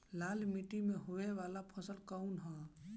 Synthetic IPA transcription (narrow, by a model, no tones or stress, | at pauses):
laːlmiʈimẽɦoeʋaːlapʰəsəlkəunɦɔ̃